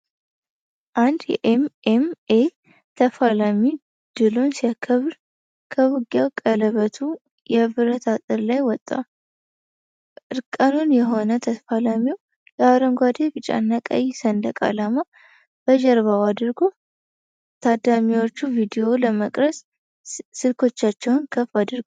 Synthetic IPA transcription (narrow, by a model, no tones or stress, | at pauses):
ʔand̪jɛ̰ʔememe | t̪ʰəfalami | d̪̥ɨlunsiakʰəβɾ | kʰəwuɡjawkʼələβət̪ʰu | jɛbɨɾət̪ʰat̪ʼɨɾlajwɔt̪ʼːa̰ | ʔɨɾkʼːənunjɛɦo̞nət̪ʰəfalamiw | jɛaɾəmɡʷad̪ebɨt͡ʃʼa̰nːakʼə̰jsənd̪əkʼa̰lama | b̥əʒɛɾβawad̪ɾɡo | t̪ʰad̪amiwo̞t͡ʃːuvid̪ijo̞ləməkʼɾəs | sɨlkʰo̞t͡ʃːat͡ʃːɛwnkʰəfad̪ɨɾɡo